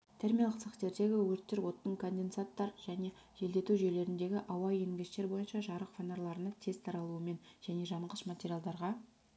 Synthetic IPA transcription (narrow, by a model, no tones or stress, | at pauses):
t̪ʰeɾmijalˠqsəqt̪e̞ɾd̪e̞ɡʲɪwɵɾt̪ːɪɾwo̞t̪ːəŋkʰo̞nd̪e̞nsat̪ːɑɾʒ̥æne̞ | ʒe̞ld̪e̞t̪uʒele̞ɾɪnd̪e̞ɡʲɪʔɑwɑjeŋɡʲɪʃt̪e̞ɾbo̞jənʃɑʒɑɾəqfanoɾlˠɑɾənɑt̪ʰezt̪ʰɑɾɑlˠuəme̞nʒ̥æne̞ʒɑmʁəʃmat̪ʲeɾʲijalˠd̪ɑɾʁɑ